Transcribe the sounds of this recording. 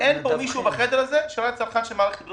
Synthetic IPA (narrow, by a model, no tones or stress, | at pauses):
ɛnbomiʃuːbaχɛdɛɾazɛʃɛloat͡salχanʃɛmalχb